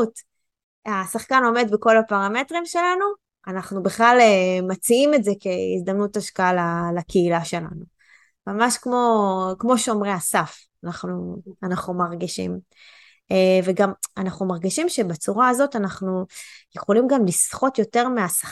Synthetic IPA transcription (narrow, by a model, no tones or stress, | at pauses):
ut | asaχkano̞me̞d̪biko̞lapaʁame̞tʁimʃe̞lanu | anaχnubeχlalemat͡siime̞tzeke̞ḭzd̪amnutaʃkaalalakeilaʃe̞la̰nu | mamaʃkmo̞kmo̞ʃomʁeasaf | anaχnuanaχnumaʁɡiʃḭm | veɡamanaχnumaʁɡiʃimʃe̞bat͡suʁaːzo̞tanaχnujeχo̞limɡamlisχo̞tjo̞te̞ʁmeasa